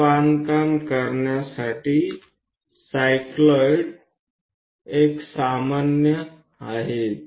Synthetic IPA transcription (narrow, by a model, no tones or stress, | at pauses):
ankamkəɾnjasaʈʰi | sajklɔjɽ | eksamanjə | aɦet̪